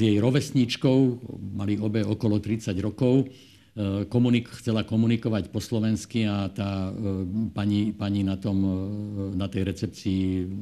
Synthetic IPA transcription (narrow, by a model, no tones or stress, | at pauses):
zjɛjɾɔʋɛsɲit͡ʃkɔʊmaliɔbɛɔkɔlɔt̪ɾit͡saɟɾɔkɔʊ | kɔmunixt͡sɛlakɔmunikɔʋacpɔslɔʋɛnskiat̪aː | paɲipaɲinat̪ɔm | nat̪ɛjɾɛt͡sɛpt͡siː